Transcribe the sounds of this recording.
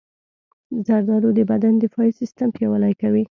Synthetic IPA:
zaɾd̪ɑɾod̪əbad̪and̪əfɑjisɪst̪amkewalajkawi

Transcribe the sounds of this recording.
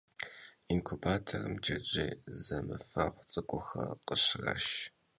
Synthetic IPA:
inkʷʰubaːtʰɐrɨmd͡ʒɐd͡ʒʼiːzɐmɨfɐʁʷt͡sʼɨkʷʼʊxɐqəɕrɐ̰ʃ

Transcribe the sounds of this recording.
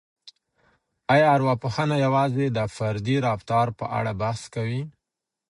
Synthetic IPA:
ɑjɑaɾwɑpuxənajawɑzed̪əfaɾd̪iɾɑbt̪ɑɾpəʔa̰ɽabaskawi

